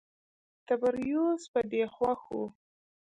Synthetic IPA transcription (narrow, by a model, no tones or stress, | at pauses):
t̪abaɾjospad̪exwaxṵ